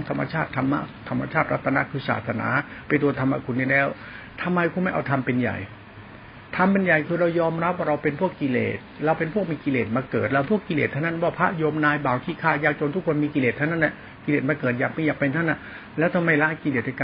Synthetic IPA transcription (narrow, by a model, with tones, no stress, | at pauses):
ŋt̪ʰa˧mːa̰˧t͡ɕʰaː˥˩t̪ʰːa˧mːa̰˦˥t̪ʰa˧mːa̰˧t͡ɕʰaː˥˩t̪̚ɾa˦˥t̪ʰːa˧na˦˥kʰɯː˧sa̰ː˨˩t̪sa˧na̰ː˨˩˦pa˧jt̪u˧ɐt̪ʰa˧ma˧˩kʰu˧nːiː˥˩lɛː˦˥˩w | t̪ʰa˧mːa˧jkʰu˧˥ma˥˩jʔa̰˧wt̪ʰa˧mpe˧nja̰˨˩j | t̪ʰa˧mpe˧nja˨˩jkʰɯː˧ɾa˧wjɔː˧mɾa˦˥p̚waː˥˩ɾa˧wpe˧npʰu˥˩əkːi˧lḛː˨˩t̪̚ɾa˧wpe˧npʰu˥˩ək̚miː˧ki˧leː˨˩t̪̚maː˧kɤː˨˩t̪̚la˧˩wpʰu˥˩əkːi˧lḛː˨t̪ʰːa˥˩na˥˩nwaː˥˩pʰa˦˥ʔjo˧mnaː˧jbaː˨˩wkʰiː˥˩kʰaː˥˩jaː˧k̚t͡ɕo˧nt̪ʰu˥k̚ʰwa˧nmiː˧ki˧leː˨˩t̪ʰːa˥˩˨na˥˩˨na˧˩ | ki˧leː˨˩t̪̚maː˧kɤː˨˩t̪̚jaː˨˩k̚ma˧jaː˨˩k̚pa˧nt̪ʰa˥˩nʔa˧˩ | lɛː˦˥wt̪ʰa˧ma˥˩jla˦˥ʔki˧leː˨˩də˧˩ka˧